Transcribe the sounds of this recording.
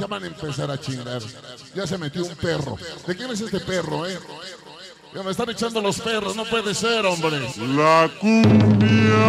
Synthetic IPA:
ʝaβanaempe̞saɾat͡ʃiŋɡaɾ | ʝas̬e̞me̞t̪jo̞umpe̞ro̰d̪e̞kemes̬est̪epe̞ro̞e | anes̬t̪ane̞t͡ʃand̪olo̞spe̞ro̞sno̞pwe̞ðese̞ɾo̞mbɾe̞lakumbja

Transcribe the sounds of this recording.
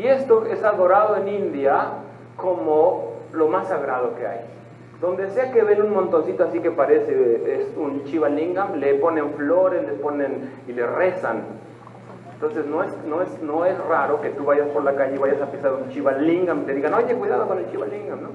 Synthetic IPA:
iest̪oesaβoɾaðoenind̪ja | komolomasaɣɾað̞okea̰j | d̪ond̪eseakeβenunmont̪onsit̪oasikepaɾeseesunt͡ʃiβaliŋɡamleponeɱfloɾesleponenileresa̰n | ent̪onsesnoesnoesnoesraɾoket̪uβaʝaspoɾlakaʝeiβajasapisaɾunt͡ʃiβaliŋɡamt̪eðiɣanoajt̪ekwiðaðokonelt͡ʃiβaliŋɡamno

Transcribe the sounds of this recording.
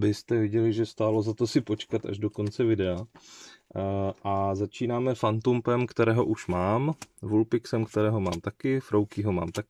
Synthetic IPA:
bɪst̪ɛvɪɟɛlɪʒɛst̪aːlo̞zat̪o̞sɪpo̞t͡ʃkat̪a̰ʒdo̞ko̞nt͡sɛvɪdɛa | ʔazat͡ʃiːnaːmɛfant̪umpɛmkt̪ɛɾɛːɦo̞ʔuʃmaːmvulpɪksɛmkt̪ɛɾɛːɦo̞ma̰ːmt̪akɪfɾʔowkɪɦo̞ma̰ːmt̪akɪ

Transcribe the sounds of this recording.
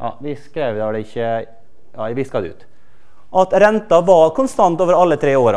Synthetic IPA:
jɑ̰ʋɪskɾeːʋd̪ɛʋɖɛɪçːə | jɑʋɪskɑd̪ɛʉ̰ːt̪ | ʔɑt̪ɾɛnt̪ɑʋɑkʊnst̪ɑnt̪oːʋəɾɑlːət̪ʰɾeːoːɾɑ̰

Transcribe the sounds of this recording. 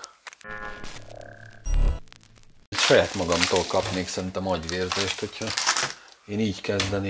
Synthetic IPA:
cʃɒjaːt̪mɒɡɒmt̪oːlkɒpneːksɛrint̪ɛmɒɟʋeːrzeːʃt̪ho̞chɒ | eːniːɟkɛzd̪ɛne

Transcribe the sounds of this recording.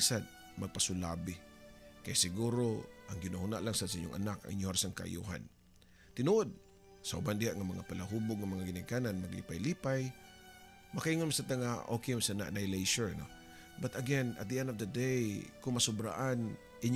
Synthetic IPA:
sad̪̚ | mɐɡ̚pasʊlabɪkɐjasɪɡuːɾoʔaŋɡɪnahunaʔlaŋsad̪sɐʔiɲːʊŋʔa̰naka̰ŋʔḭɲːohaɾasaŋkaʔa̰jṵɦa̰n | t̪ɪnuʔod̪̚ | sɐʔʊ̰band̪ɪhaʔŋamɐŋapalaɦuboɡ̚ŋamɐŋaɡɪnakananmaɡlḭpajlipaj | mɐkaʔiŋonmsad̚t̪aŋaʔokejmsana̰ʔnajlejʃəɹno̰ | bat̪ɐɡɛna̰t̪̚d̪iʔɛ̃nd̪ɔfd̪ɐd̪ejkʊŋmɐsʊbɾa̰ʔan | ʔɪɲ

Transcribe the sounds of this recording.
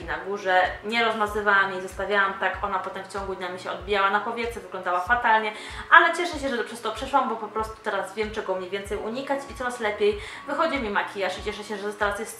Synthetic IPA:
inaɡuʐɛɲɛɾɔzmazɘvawamjejzɔst̪avʲjawamt̪akʔɔnapɔt̪ɛmft͡ɕɔŋɡud̪ɲamʲiɕɛɔd̪̚bʲijawanapɔvʲjɛt̪sɛvɘɡlɔnd̪awafat̪alɲɛ | ʔalɛt͡ɕɛʂɛɕɛʐɛt̪ɔpʂɛst̪ɔpʂɛʂwambɔpɔpɾɔst̪u̥t̪ɛɾazvʲjɛmt͡ʂɛɡɔmɲevʲɛnt̪sɛjuɲikat͡ɕit̪sɔɾaslɛpʲjej | vɘxɔd͡ʑimʲimakʲʰijaʂit͡ɕɛʂɛɕɛʐɛt̪ɔst̪ɛɾasjɛs

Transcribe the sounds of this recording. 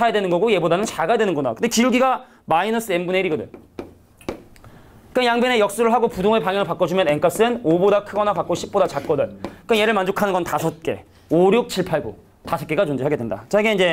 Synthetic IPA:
ajadwe̞nɯnɡʌɡoje̞bodanɯnt͡ɕaɡajadwenɯnɡʌnakɯndekiɾuɡiɡa | mainʌs͈ʰɯembuneiɾiɡʌdɯ̰ɲ | k͈ɯnjaŋbenejʌk̚s͈uɾɯɭɦaɡopudoŋɯɭpaŋjʌŋɯɭpak͈ʌd͡ʑumjʌneŋk͈ap̚s͈ɯnobodakʰɯɡʌnapak̚k͈oɕʰip͈̚odat͡ɕak͈ʌdɯɭk͈ɯnje̞ɾɯɭmand͡ʑokʰanɯnɡʌntasʰʌt̚k͈e̞̰ | oɾjok̚t͡ɕʰiɭpʰaɭɡo̰ | tasʰʌtkeɡat͡ɕond͡ʑeɦaɡedwe̞nda̰t͡ɕaiɡeind͡ʑe̞

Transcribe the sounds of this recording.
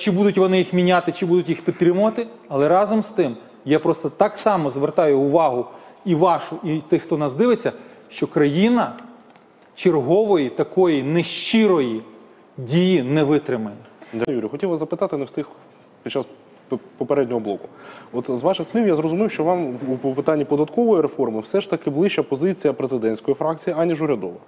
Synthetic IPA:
t͡ʃɪbud̪ʊtʲʋɔnɪjixmʲinʲat̪ɪt͡ʃɪbud̪ʊtʲjixpʲid̪t̪ɾʲɪmʊʋɐt̪ɪ | ɐlˠɛɾɑzɔmst̪ɪm | japɾɔst̪ɔt̪ɑksɑmɔzʋert̪ɑjʊʊʋɑɦʊ | iʋɑʃʊit̪ɪxt̪ɔnɐzd̪ɪʋɪt͡sʲːɐʃt͡ʃɔkɾɐjinɐ | t͡ʃerɦɔʋɔjit̪ɐkɔjinɛʃt͡ʃiɾɔji | dʲijinɛʋɪt̪ɾɪmɐjʲd̪juɾʲijxɔtʲiwʋɐzɐpɪt̪ɑt̪ɪnɛwst̪ɪx | pʲit͡ʃːɑs | pɔpeɾɛdʲnʲɔɦɔblˠɔkʊ̥ɔt̪zʋɑʃɪxsʲlʲiwjazɾɔzʊmɪwʃt͡ʃɔʋɑmupɔpɪt̪ɑnʲːipɔd̪ɐt̪kɔʋɔjiɾefɔrmɪwsɛʃt̪ɐkɪblˠɪt͡ʃɐpɔzɪt͡sʲijɐpɾezɪd̪ɛnʲsʲkɔjifɾɑk̚t͡sʲijiɐnʲiʒʊɾʲɐd̪ɔʋɐ

